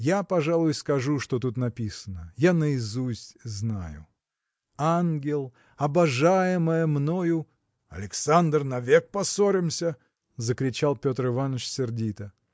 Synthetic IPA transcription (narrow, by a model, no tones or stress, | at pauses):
japɐʐalˠʊjskɐʐuʂt̪o̞t̪ut̪nɐpʲisənəjanəɪzusʲtʲznajʊ̰ | anɡʲɪlˠ | ɐbɐʐajɪməjəmno̞jʊ | ɐ̰lʲɪksand̪rnɐvʲek̚pɐsoɾʲɪmsʲə | zəkɾʲɪt͡ɕalˠpʲot̪rɨvanːəʂsʲɪrdʲit̪ə